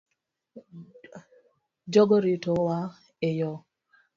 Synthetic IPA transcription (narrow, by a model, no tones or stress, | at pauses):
d͡ʒɔɡɔɾitowa | ejɔ